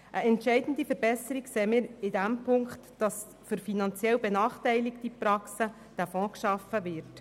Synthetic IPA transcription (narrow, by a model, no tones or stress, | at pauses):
ʔəʔɛntʃɛɪdən̩d̪ifəɾbɛsəɾikseːmɪːɾɪdæmpʰʊŋkχtd̥ɑs | fʏɾfinɑnt͡sjɛwbenɑːχtɛɪliktipɾɑksə | d̥æfɔ̃kʃɑfːəʋɪɾt